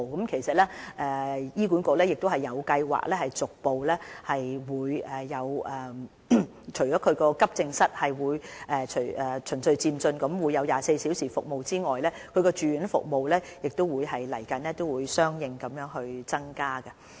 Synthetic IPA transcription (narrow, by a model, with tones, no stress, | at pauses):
kɐ˨˥mkʰe˨˩jsɐ˨t̚lɛː˥ʔɛː˨˩jiː˥k̬uː˨˥nko˧lɛː˥jɪ˨k̚t̪o˥hɐ˨˩jːɐ˨˧wkɐ˧jwa̰ː˨˩k̚lɛː˥hɐ˨jt͡sʊ˨k̚po˨wlɛː˥hɐ˨jwuː˨˧jɛː˨˩ɐ˨˧wʔɛ˨˩ | t͡ʃʰɵ˨˩ɥjɔː˨˥kʰɵ˨˧ɥkɔː˧kɐ˥p̚t͡sɪ˧ŋsɐ˥t̚hɐ˨jwuː˨˧jʔɛ˨t͡ʃʰɵ˨˩jʔɛː˨˩t͡ʃʰɵ˨˩nsɵ˧ɥt͡siː˧mt͡sɵ˧nkɐ˨˥mwuː˨˧jːɐ˨˧wjaː˨se˧jsiː˨˥wsiː˨˩fʊ˨k̚mo˨wt͡siː˥ŋɔː˨jlɛː˥kʰɵ˨˧ɥkɔː˧t͡ʃyː˧y˨˥nfʊ̰˨k̚mo˨wlɛː˥jɪ˨k̚t̪o˥wuː˨˧jɦɐ˨jlɐ˨˩jkɐ˨˥nlɛː˥t̪o˥wuː˨˧jsœː˥ŋjɪ˨ŋkɐ˨˥mjœː˨˥ŋɦɵ˧ɥt͡sɐ˥ŋkaː˥ɡɛ˧